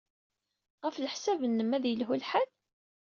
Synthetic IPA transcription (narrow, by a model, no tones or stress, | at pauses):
ʁəfləħsævənːəmæðjəlɦulħal